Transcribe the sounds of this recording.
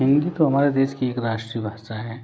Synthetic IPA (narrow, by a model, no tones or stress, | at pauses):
ɦɪ̃nd̪it̪oɦɐmaːɾed̪eːʃkieːkɾaːʃʈɾijəbʱaːʃaɦɛː